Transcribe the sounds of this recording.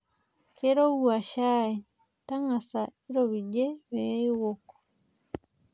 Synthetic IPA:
ke˦ɾo˦wua˨ʃa˦i | ta˦ŋa˨sai˦ɾoβi˨ɟe˦βe˦i˦woko̥

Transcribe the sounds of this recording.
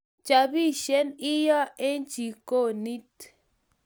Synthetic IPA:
t͡ʃa˨bi˦˨ʃe˨˦ni˦jɔ˦e˦n˦t͡ʃi˨ko˦˨ni˦t

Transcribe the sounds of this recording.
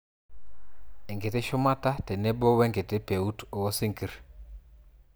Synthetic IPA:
ɛ˨ŋɡɪ˨tɪ˦ʃʊ˦ma˦ta˦tɛ˨ne˦bɔ˦we˦ŋkɪ˨tɪ˦pe˨u˦to˨wɔ˦sɪ˦ŋki˨ɾ

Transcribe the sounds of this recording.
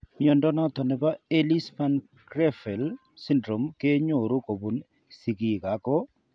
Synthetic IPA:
mjɔ˨ndɔ˦nɔ˦t̪ɔ˨nɛ˨ba˦e˦li˦spa˦n | kɾɛ˦fɛ˨l | si˦ndɾo˨mke˦ɲo˨ɾo˦ko˨bu˨n | si˨ki˨ka˨˦kɔ˦

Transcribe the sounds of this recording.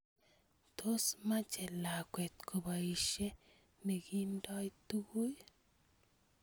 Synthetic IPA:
t̪ʰo˦sma˦t͡ʃe˨la˨kʷwe˨t̪ko˨ba˨i˨ʃe˦ | ne˨ɡi˦ndɔ˦jt̪u˦ɡu˦j

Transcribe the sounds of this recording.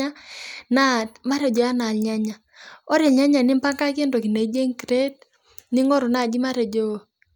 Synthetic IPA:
a˦na˦tma˦ɾe˨d͡ʒɔ˨ja˦na˨lɲa˦ɲa˨ | ɔ˦ɾe˨lɲa˦ɲa˨nɪ˦mpa˦ŋka˦ke˦ndo˨ki˨ne˨˦d͡ʒe˦ŋkɾe˦t | ni˦ŋɔ˦ɾɔ˨na˨d͡ʒi˦ma˦ɾe˨d͡ʒo˦˨

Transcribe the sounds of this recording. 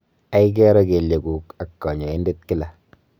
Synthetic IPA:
a˦i˦k̬ɛ˦ɾɔ˦ke˨lje˨ɡu˨ka˨kːɔ˨ɲɔ˨e˦nde˦t̚kɪ˦la˨

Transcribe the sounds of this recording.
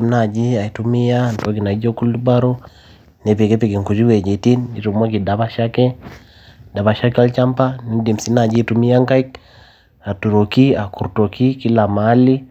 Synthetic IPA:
mna˨d͡ʒi˦a˨i˨tu˦mi˦ja˦nto˦ki˨na˨i˦d͡ʒo˦ku˦lu˦ba˦ɾo˦ | nɛ˨pe˨kɛ˦pi˨ki˨ŋku˨d͡ʒi˦we˨d͡ʒe˨ti˦ni˨tu˨ma˦ki˨da˨ba˦ʃa˦kɛ˦ | da˨βa˨ʃa˦ka˦lt͡ʃa˦mpa˦ni˨˦di˨msi˦na˨d͡ʒi˦tu˨mi˦a˦ŋka˦i˦k̚ | a˨tu˨ɾo˨ki˦a˨ku˨ɾto˨ki˦ki˦la˨ma˨˦li˦

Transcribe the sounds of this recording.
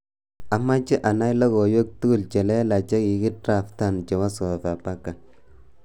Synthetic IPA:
a˨ma˦t͡ʃɪ˦ʔa˨na˦jla˦ko˨jo˦k̚tu˦ɡu˨lt͡ʃɛ˨lɛ˦la˨t͡ʃɛ˦ki˨ɡɪ˦tɾa˨fta˦˨nt͡ʃɛ˨wa˦sɔ˨fa˨pa˦ka˨

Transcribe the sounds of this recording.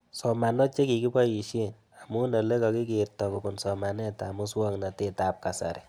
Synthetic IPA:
sɔ˨ma˨nɔ˦t͡ʃe˦ki˨ki˦pa˦ji˨ʃe˦n | a˨mu˦na˨le˦kɔ˨˧ki˦ki˨rtɔ˨ku˨bu˨nsɔ˨ma˨nɛ˦ta˨mu˦swɔ˦ŋna˨te˦ta˨p̚ka˨sa̰˨ɾe˨

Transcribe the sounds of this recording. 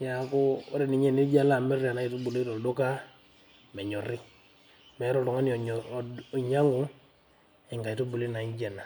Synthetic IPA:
ja˨˦ko˦ɔ˦ɾɛ˨ni˨ɲe˦˨ni˦d͡ʒa˦la˦˨mɛ˦ɾi˨a˨na˨˦i˨to˦bu˨le˦tɔ˨do˦ka˦ | mɛ˨ɲɔ˨ɾi˦ | mɛ˨˦ɾɔ˦˨ɾɔ˨ŋa˦ni˨ɲa˦ŋo˦ | ɛ˨ŋɡa˨i˨to˦bu˨li˦na˨i˦ɲd͡ʒe˨na˨

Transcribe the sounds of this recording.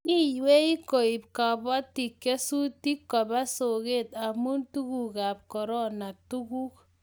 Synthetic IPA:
ni˦jwe˦i˦ko˨i˨pka˨bɔ˦ti˨kːe˦su˦ti˦kːɔ˨ba˦so˨ke˦˨ta˨mu˦ntu˦ku˨ka˨p̚kɔ˨ɾɔ˦na˨tu˦ku˦k

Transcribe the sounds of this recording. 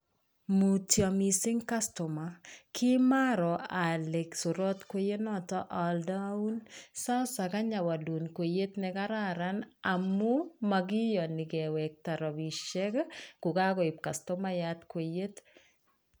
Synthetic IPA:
mu˨tjɔ˨misɪ˦ŋka˦stɔ˨makɪ˦ma˦ɾɔ˨a˨le˨ksu˨ɾɔ˦t̪kwe˦je˦nɔtɔʔaldau˦nsa˦ʊsa˨ka˦ɲa˨wa˨lu˨nkwe˨je˦tnɛka˦ɾaɾana˨mu˦maɡɪ˦jɔ˨nɪ˨ɡɛwɛ˨k̚ta˨ɾɔ˨bi˨ʃe˦kkʊ˨ka˦ɡɔ˨ɪ˨p̚ka˨stɔ˦ma˦jatkwe˨je˦t

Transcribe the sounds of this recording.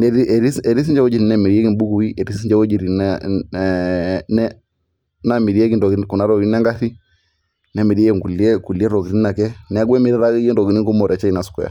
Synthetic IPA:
nɛ˨ɾi˦ɛ˨ɾi˦sɛ˨ɾi˦s̬i˦ɲd͡ʒɛ˦ɔ˦d͡ʒi˨ɾi˨nɛ˨mi˨ɾi˨ɛ˦ki˦mbu˦ku˨i˦ʔɛ˨ɾi˦ssi˦ɲd͡ʒɛ˦wɔ˦d͡ʒi˨ɾi˨n | nɛ˦ | na˨mi˨ɾi˨ɛ˦ki˦ndɔ˨ɡku˨na˨˦ɾɔ˨ɡi˦nɛ˦ŋɡa˦θi˦ | nɛ˨mi˨ɾi˦ɛ˦ɛ˦˨ŋ˨ɡu˨li˦ɛ˦ku˨li˦ɛ˦ɾɔ˨ki˨ɾi˦i˦na˨kɛ˦nɛ˨a˦ɡwɛ˦mi˨ɾi˦ɾa˦ɛ˦ndɔ˨ki˨ni˦ŋɡu˦mɔ˨ɾɛ˨t͡ʃɛ˦i˦na˨su̥˨kɔ˨ja̰˨

